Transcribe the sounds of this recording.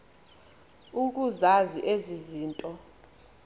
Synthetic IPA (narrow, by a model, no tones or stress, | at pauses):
uk̬uzaziʔeziziːntʼɔ